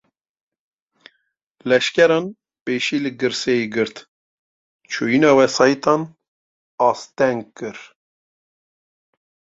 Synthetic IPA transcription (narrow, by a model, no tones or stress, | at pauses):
lɛʃkʲɛɾɑːn | peːʃiːlɨɡɨɾsɛjiɡɨɾt̪ | t͡ʃʰojinɑːwɛsɑːjit̪ɑːn | ɑst̪ɛŋɡ̚kɨɾ